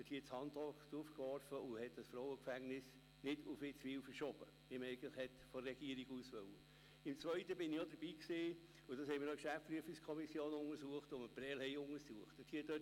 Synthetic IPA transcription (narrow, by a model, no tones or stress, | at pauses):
ɛthiːt͡shɑndɔktufkʋɔɾfəʊhɛt̚d̥ɑsfɾɔwəkfæŋnɪs | nɪdʊfɪt͡sʋiːwfəɾʃɔb̥ə | ɪmɛɪɡətlɪxhɛtfɔrɛɡ̥iəɾiɡuːsʋœwə | ɪmt͡sʋœʏtəbɪnɪjɔdəɾb̥iːksɪː | ʊd̥ɑshɛɪmiːɾɔkʃæft͡spɾyəfikskʰɔmisjoːnʊŋəsuəχtʊməpɾɛlɛɪʊŋəsuəχtɛthiːədøt